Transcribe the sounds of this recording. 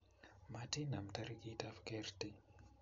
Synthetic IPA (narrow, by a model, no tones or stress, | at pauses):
matinamt̪aɾikit̪afkert̪i